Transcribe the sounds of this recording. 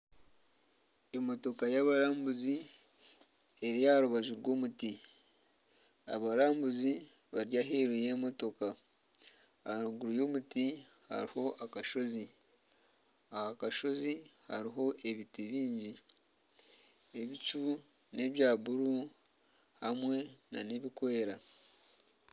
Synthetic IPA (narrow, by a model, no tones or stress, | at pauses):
e̞mo̞to̞kajaβaɾaːmbuzi | e̞ɾijaɾuβaʒuɾɡo̞ːmuti | a̰βaɾaːmbuzi | βaɾjaɦeɾuje̞ːmo̞to̞ka | auɡuɾujo̞ːmuti | ha̰ɾiho̞ʔakaʃo̞zi | ahakaʃo̞zihaɾiɦo̞ʔe̞βitiβiːɲɟi | eβit͡ʃu | ne̞βjaːβuɾu | hamwe̞na̰ne̞βikweɾa